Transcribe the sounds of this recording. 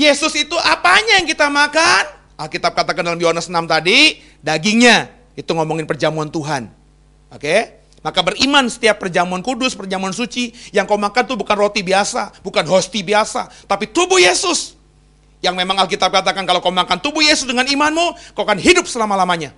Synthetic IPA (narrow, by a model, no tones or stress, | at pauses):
jesʊsit̪uʔapaɲajaŋkit̪amakan | ʔalkit̪ap̚kat̪akandalamjoɦanəsnamt̪adi | daɡiŋɲa | it̪uŋomɔŋɪnpərd͡ʒamuant̪uɦan | oke | makabərimansə̥t̪iapːərd͡ʒamuankudʊspərd͡ʒamuansut͡ʃijaŋkawmakant̪ubukanrot̪ibiasabukanɦost̪ibiasat̪apit̪ubʊhjesʊs | jaŋmemaŋalk̬it̪ap̚kat̪akankalokaumakant̪ubʊhjesʊsdəŋanimanmukakanɦidʊp̚səlamalamaɲa